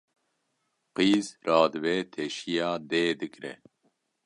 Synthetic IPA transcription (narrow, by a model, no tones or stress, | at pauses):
qiːzrɑːd̪ɨveːt̪ʰeʃijɑːd̪eːd̪ɨkʼɾɛ̰